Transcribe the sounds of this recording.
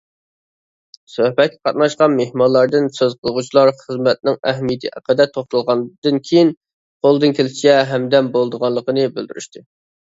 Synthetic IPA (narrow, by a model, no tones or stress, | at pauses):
søhbɛt̪̚kʲɛqʰɑ̰t̪̚nɑʃqɑnmehmɑnlˠɑɾd̪ɨnsøzqʰəlˠʁut͡ʃʰlˠɑɾχəzmɛt̪̚nɪŋɛɦmijɪt̪ʰɨʔæ̰qəd̪ɛt̪ʰːoχt̪ulˠʁɑnd̪ɨnkʲʰejin | qʰolˠɨd̪ɨnkʲʰelɪt͡ʃt͡ʃɛɦɛmd̪ɛmbolˠd̪əʁɑnlˠəqənɨbɪld̪yɾyʃt̪ʰɨ